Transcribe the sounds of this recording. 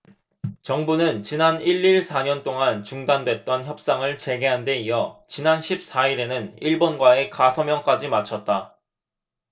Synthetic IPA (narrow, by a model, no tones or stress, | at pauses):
t͡ɕʌŋbunɯnt͡ɕinaniɭːiɭsʰaɲʌnt͈oŋant͡ɕuŋdandwe̞t̚t͈ʌnçjʌp̚s͈aŋɯɭt͡ɕe̞ɡe̞ɦande̞ijʌt͡ɕinanɕʰip̚s͈aiɾe̞nɯniɭbonɡwae̞kasʰʌmjʌŋk͈ad͡ʑimat͡ɕʰʌt̚t͈a